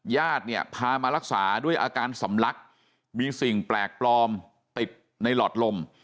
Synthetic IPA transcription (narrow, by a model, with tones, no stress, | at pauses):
jaː˥˩t̪̚ni˥˩ɐpʰaː˧maː˧ɾa˦˥k̚saː˩˦du˥˩əjʔaː˧kaː˧nsa˩˦mla˦˥k̚ | miː˧si˨˩ŋplɛː˨˩k̚plɔː˧m | t̪i˨˩t̪̚ | na˧jlɔː˨˩t̪̚lo˧m